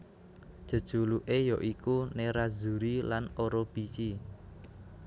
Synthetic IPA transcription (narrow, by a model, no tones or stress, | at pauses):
d̥ʒ̥ə̤d̥ʒ̥o̤luʔejɔʔikuneɾazṳɾilanoɾɔb̥it͡ʃi